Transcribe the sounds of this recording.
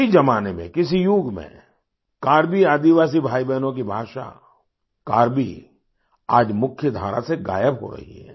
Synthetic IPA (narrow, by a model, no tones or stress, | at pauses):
id͡ʒɐmaːnemḛ̃kɪs̬ijuːɡmḛ̃ | kaːɾbiaːd̪iʋaːs̬ibʱaːibɛːnõk̬ibʱaːʃa̰ | kaːɾbʱi | aːd͡ʒmʊkʰːjəd̪ʱaːɾa̰seɡa̰ːjəbɦo̰ɾɐ̰ɦḭɦɛ̰ː